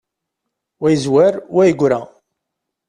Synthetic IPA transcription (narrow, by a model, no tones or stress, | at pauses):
wæjəzwæɾwæjəɡʷɾæ